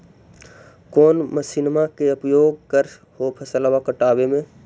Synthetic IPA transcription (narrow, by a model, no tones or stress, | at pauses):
koːnməsinmakeəpjoːɡkəɾ | hoːpʰəsəlʋakəʈaːʋemẽː